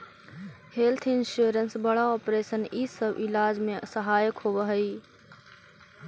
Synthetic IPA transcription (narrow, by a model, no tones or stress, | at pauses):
helt̪ʰɪnʃuɾənsbəɽaɔːpɾeːsənisəbilaːd͡ʒmesəɦaːjəkɦobəɦəi